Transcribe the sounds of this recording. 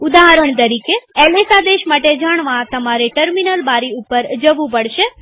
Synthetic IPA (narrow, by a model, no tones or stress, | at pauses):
ʊd̪aɦəɾəɳt̪̬əɾikeɛlesad̪eʃmaʈed͡ʒaɽ̃ʋãt̪əmaɾeʈəɾminəlbaɾiupəɾd͡ʒəʋũpəɽʃe